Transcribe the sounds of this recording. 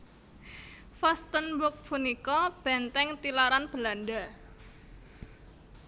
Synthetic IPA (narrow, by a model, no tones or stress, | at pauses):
fast̪ənbʊk̚pʰunikɔb̥ɛ̤nt̪ɛŋt̪ilaɾanb̥əlanda